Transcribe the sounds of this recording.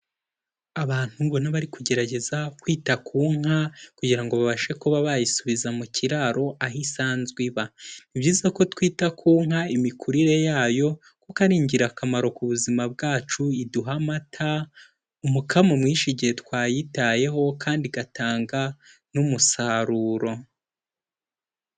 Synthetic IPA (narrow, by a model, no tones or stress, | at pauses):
aβaːn̥humbonaβaɾikuɟe̞ɾaɟe̞zakwiːtakʰuːŋ̥hakuɟiɾaŋɡo̞βaβaʃekuβaβajisuβizamuciɾaɾo̞ʔahisaːnzɡwiβanibɟiːzako̞twiːtakʰuːŋ̥haimikuɾiɾe̞jaːjo̞ | kokaɾiːɲɟiɾakamaɾo̞kuβuzimab̚ɡaːt͡ʃuiduɦamatʰa | umukʰamomŋiːʃiɟihe̞twaːjitaje̞ɦo̞kʰaːndiɡatʰaːŋɡa | numusaɾuːɾo̞